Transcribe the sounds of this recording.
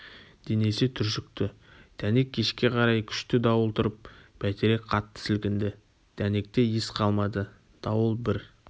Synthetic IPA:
d̪̥eneset̪ʰʏɾʃɪk̚t̪ɪ | d̪̥ʰæne̞kʲʰːe̞ʃkʲe̞qʰɑɾɑjkʲʰʏ̥ʃt̪ɪd̪ɑwəlˠt̪ʰʊɾəp̚pʰæt̪eɾe̞qʰɑt̪ːə̥sɪlkʲɪnd̪ɪ | d̪̥æne̞k̚t̪e̞jesqʰɑlˠmɑd̪ə | d̪̥ɑwəlˠbɪɾ

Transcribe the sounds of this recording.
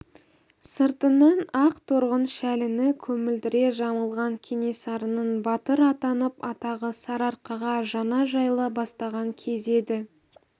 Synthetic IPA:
səɾt̪ənɑnɑqt̪ʰoɾʁənʃælɪnɪkʲʰɵmɪld̪ɪɾe̞ʒɑməlˠʁɑŋkʲʰene̞sɑɾənənbɑt̪əɾɑt̪ɑnəpɑt̪ɑʁəsɑɾɑɾqɑʁɑʒɑnɑʒɑjlˠəbɑst̪ɑʁɑŋkʲʰe̞ze̞d̪ɪ

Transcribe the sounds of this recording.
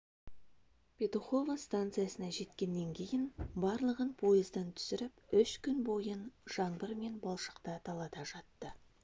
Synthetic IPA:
pʰʲe̞t̪uχo̞vəst̪ant̪sɨjasənɑʒe̞t̪kʲe̞nːe̞ŋkʲʰe̞jɪnbɑɾlˠəʁənpʰo̞jəzd̪ənt̪ʰʏ̥sɪɾɪpʏʃkʲʰʏnbo̞jənʒ̥ɑɴbəɾme̞nbɑlˠʃə̥qt̪ɑt̪ʰɑlˠɑt̪ɑʒɑt̪ːə

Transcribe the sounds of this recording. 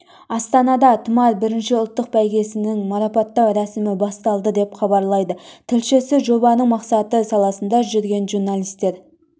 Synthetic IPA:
ɑst̪ɑnɑd̪ɑt̪ʰəmɑɾbɪɾɪnʃɪʊlˠt̪ːəq̚bæjɡʲe̞sɪnɪŋmɑɾɑpɑt̪ːɑwɾæsɪmɪbɑst̪ɑlˠd̪əd̪e̞pχɑbɑɾlˠɑjd̪ət̪ʰɪlʃesɪʒo̞bɑnəɴmɑqsɑt̪əsɑlˠɑsənd̪ɑʒʏɾɡʲe̞nʒuɾnalˠijst̪ːe̞ɾ

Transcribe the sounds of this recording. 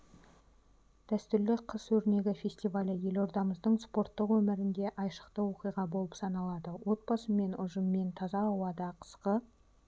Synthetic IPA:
d̪̥æst̪ʏɾlɪqʰəswɵɾne̞ɡʲɪfʲe̞sʲt̪ijvalʲəje̞lo̞ɾd̪ɑməzd̪əɴspo̞ɾt̪ːəqwɵmɪɾɪnd̪e̞ʔɑjʃə̥qt̪əwo̞qijʁɑbo̞lˠəpsɑnɑlˠɑd̪əwo̞t̪̚bɑsəme̞nʊ̰ʒəmːe̞nt̪ʰɑzɑːwɑd̪ɑqʰə̥sqə

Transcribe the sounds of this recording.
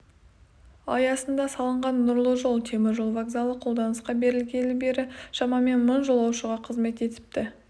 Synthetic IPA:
ɑ̰jɑsənd̪ɑsɑlˠəɴʁɑnːʊɾlˠəʒo̞lˠt̪ʰe̞mɪɾʒo̞lˠvaɡzalˠəqʰo̞lˠd̪ɑnəsqɑbe̞ɾɪlɡʲe̞nɪbe̞ɾɪʃɑmɑme̞nmənʒo̞lˠɑwʃəʁɑqʰəzme̞t̪e̞t̪ɪ̥p̚t̪ɪ

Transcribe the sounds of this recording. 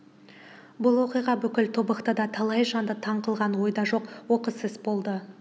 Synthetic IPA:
bʊlˠwo̞qijʁɑbʏkʲɪlt̪ʰo̞bɑqt̪əd̪ɑt̪ʰɑlˠɑjʒɑnd̪ət̪ʰɑɴqəlˠʁɑnwo̞jd̪ɑʒo̞qwo̞qəsɪzbo̞lˠd̪ə

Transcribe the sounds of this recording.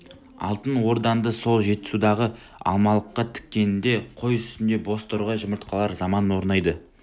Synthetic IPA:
ɑ̰lˠt̪ənwo̞ɾd̪ɑnd̪əso̞lˠʒe̞t̪ːɪ̥sud̪ɑʁə | ɑ̰lˠmɑlˠəqːɑt̪ʰɪ̥kʲːe̞nɪnd̪e̞qʰo̞jʏst̪ɪnd̪e̞bo̞st̪oɾʁɑʒəməɾt̪̚qɑlˠɑɾzɑmɑnwo̞ɾnɑjd̪ə

